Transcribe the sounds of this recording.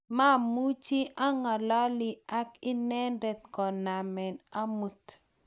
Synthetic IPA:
ma˦˨mu˦t͡ʃi˦ʔa˦ŋa˨lɔ˦lɪ˨a˦kɪ˦nɛ˦ndɛ˨t̪kɔ˨na˨mɛ˨na˦mu˨t

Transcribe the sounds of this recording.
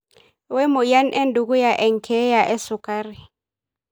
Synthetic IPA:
wɛ˦mʊ˨ja˦nʔɛ˦ndu˨k̬ʼu˦ja˨ʔɛ˨ŋ̩˨kʰɛ˦ja˨ʔɛ˦sʊ˨kʼaː˦ri˨

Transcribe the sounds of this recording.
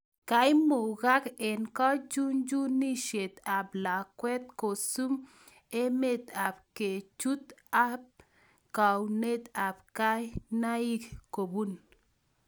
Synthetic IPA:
ka˦jmo˨ɡa˦ke˨nka˦d͡ʒu˦nd͡ʒu˦ni˦ʃe˨t̪a˨bla˨kwɛ˦t̪̚ko˨su˦m | e˦me˦˨t̪a˨b̚ke˨t͡ʃu˦t̪a˦p̚ | ka˨wne˦t̪a˨b̚ka˦jna˦i˦kko˨bu˦n

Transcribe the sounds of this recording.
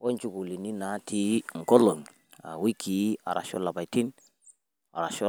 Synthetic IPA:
wɔ˦nt͡ʃu˦˨ku˨li˨ni˦na˨˦tʰi˦ŋ̩˨kɔ˦lɔ˨ŋ | a̰˨wi˦kʰi˨˦a̰˨ɾa̰˨ʃɔ̰˦la˨ba˨jti˦n | a̰˨ɾa˨ʃɔ˦

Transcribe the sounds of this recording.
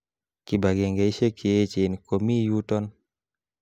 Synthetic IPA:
ki˨ba˨ɡe˨ŋɡe˨i˦ʃe˦kʰe˨e˦t͡ʃe˨nko˨mi˦ju˦tɔ˦n

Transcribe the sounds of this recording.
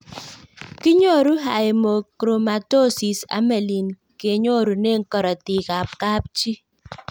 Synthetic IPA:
ki˦ɲo˦˨ɾu˦ɦa˨je˨mo˨kɾo˨ma˨to˦si˨sa̰˦me˨li˨n | ke˨ɲo˦˨ɾu˨ne˦˨ŋ̩˦kɔ˨ɾɔ˨ti˨ka˨p̚ka˦p̚t͡ʃi˦

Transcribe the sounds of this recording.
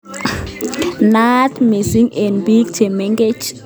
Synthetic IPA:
natmi˨siŋɛ˨nbi˦ɡt͡ʃe˨mɛŋɡed͡ʒ

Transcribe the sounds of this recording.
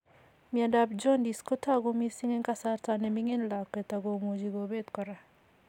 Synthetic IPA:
mi˨a˨da˨p̚d͡ʒɔ˦ndi˨sko˦ta˦ɡo˦mi˦si˦ŋe˦nka˦˨sa˦ɾta˦nɛ˨mi˦ŋe˦nla˨kːe˨ta˨ɡo˨mo˨d͡ʒi˨ɡo˨be˦tkɔ˨ɾa˨

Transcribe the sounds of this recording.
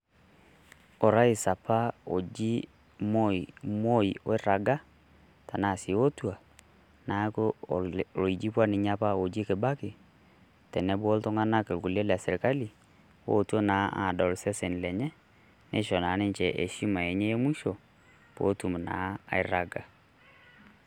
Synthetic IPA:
ɔ˨ɾa˦i˨sa˨pa˦o˨d͡ʒi˦ | mo˦i˨mo˦i˨o˦ɪ˦ɾa˨ɡa˦ | ta˨na˦˨sɪ˨˦o˦twa˨ | na˨˦k | o˨i˨d͡ʒi˦pwa˦nɪ˨ɲa˦pa˦o˨d͡ʒi˦kɪ˨ba˦kɪ˨ | tɛ˨nɛ˦bo˦ltɔ˦ŋa˦na˦ke˨lku˨le˦la˨sɛ˨ɾka˦li˨ | wo̰˦˨tu˦o˦naː˨˦a̰˨dɔ˨lsɛ˦se˨n˨lɛ˨ɲɛ˦ | nḛ˦ʃɔ˨na˨˦nɪ˦nt͡ʃɛ˨ʔḛ˨ʃi˦ma˨e˨ɲeː˦mu˦ʃo˨ | po̰˦tu˨m˨na̰˨˦a̰˨ɪ˦ɾa˨ɡa˨

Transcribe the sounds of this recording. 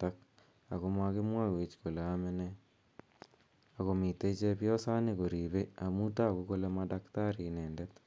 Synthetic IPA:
tak̚ | a̰˨ɣo˦mwa˦ɣe˦mwa˦we˨t͡ʃko˨le˨ame˦ne | a˨ɣo˨mi˨te˦i˦t͡ʃe˦βjo˦sa˦neɣo˨ɾiβea˨muta˦ɣuko˦le˦madaktaɾineː˨ndet

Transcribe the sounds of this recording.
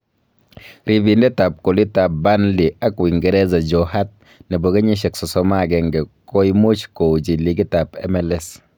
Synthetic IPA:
ɾi˨bi˨ndɛ˦ta˨p̚ko˨li˦ta˨p̚ba˦nli˨a˦kwi˨ŋɡɛ˨˦ɾɛ˦za˨d͡ʒɔ˨ha˦t̚ | nɛ˨bo˨ɡɛ˦ɲi˦ʃɛ˨ksɔ˨sɔ˦ma˦˨ɡɛ˨ŋɡɛ˨ko˦imu˦t͡ʃko˨d͡ʒi˨li˨˦ki˦ta˨pɛ̰˦mɛ˨lɛ˦s

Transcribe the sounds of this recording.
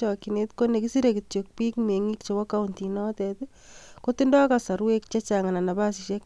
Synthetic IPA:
ɔ˨ki˨netko˦ne˨ki˦si˦ɾeki˨tjo˨k̚pi˦kme˨ŋi˦kt͡ʃo˨bɔ˦ka˦u˨nti˨nɔ˦tɛt | koti˦ndɔ˦kasa˨ɾwe˦k̚t͡ʃe˦t͡ʃa˨ŋa˨na˨na˨ba˦siʃe˦k

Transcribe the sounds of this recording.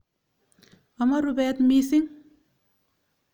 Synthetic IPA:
a˨ma˦ɾubɛt̪misi˦ŋ

